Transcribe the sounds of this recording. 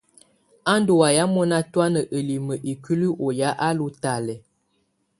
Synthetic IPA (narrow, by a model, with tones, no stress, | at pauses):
a˦ndo˨wa˨ja˦mɔ˦na˦twa˦nə˨ʔə˨li˨mə˨ʔi˨kə˦li˦ʔo˨ja˦ʔa˦lu˦ta˨lɛ˨